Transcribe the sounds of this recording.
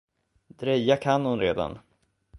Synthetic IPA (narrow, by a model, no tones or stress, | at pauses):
d̪ɾɛjːakʰanhʊnɾeːd̪a̰n